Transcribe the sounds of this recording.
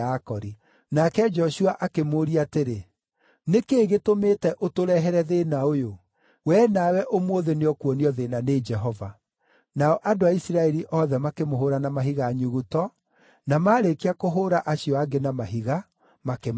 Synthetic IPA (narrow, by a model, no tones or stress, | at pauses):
akɔɾi | nakɛd͡ʒɔʃuaʔakemoːɾiateɾe | nekeːɣetomeːtɛʔotoɾɛɦɛɾɛðenaojo | wɛːnawɛʔomoðeneɔkwɔniɔðeːnaned͡ʒɛɦɔva | naɔʔadoaisiɾaɛɾiʔɔðɛmakemoɦoɾanamaɦiɣaːɲuɣutɔ | namaːɾekeakoɦoɾaʔaɕiɔaɡenamaɦiɣa | makem